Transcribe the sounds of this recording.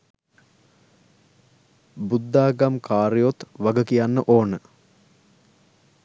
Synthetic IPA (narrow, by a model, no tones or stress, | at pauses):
bud̪ːaːɡamkaːɾijot̪ʋaɡəkijanːəʔoːnə